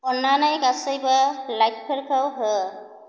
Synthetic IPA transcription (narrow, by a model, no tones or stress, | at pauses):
ɔnanajkasəjbalajk̚pʰəɾkʰawɦə